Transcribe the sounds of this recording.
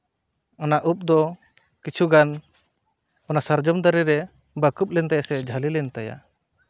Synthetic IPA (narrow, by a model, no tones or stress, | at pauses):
ɔnaʔup̚d̪ɔ | kit͡ʃʰuɡan | ɔnasəɾd͡ʒɔmd̪aɾɛɾɛ | bəkup̚lɛnt̪ajasɛd͡ʒʱəlilɛnt̪aja̰